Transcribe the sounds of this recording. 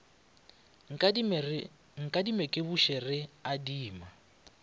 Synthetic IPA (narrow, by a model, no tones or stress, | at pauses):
ŋ̩kʼadimɛkʼɪβuʃɛrɪadiːma